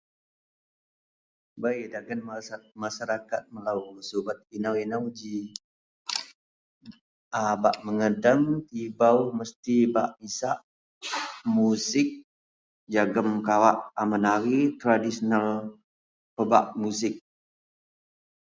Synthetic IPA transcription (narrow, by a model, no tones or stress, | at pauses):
bajdaɡənmaʃaɾakat̪̚məlawsubat̪̚inawinawd͡ʒi | abaʔməŋədaŋt̪ibawməst̪iba̰ʔmisaʔ | musɪk̚ | d͡ʒaɡəmkawaʔamanaɾit̪ɾadisonal | pəba̰ʔmusɪk̚